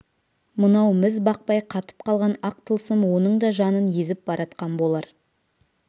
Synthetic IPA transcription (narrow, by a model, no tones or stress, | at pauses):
mənɑwmɪzbɑq̚pɑjqʰɑt̪ə̥p̚qʰɑlˠʁɑnɑq̚t̪ʰəlˠsəmwo̞nəɴd̪ɑʒɑnənje̞zɪp̚bɑɾʔɑt̪̚qɑnbo̞lˠɑɾ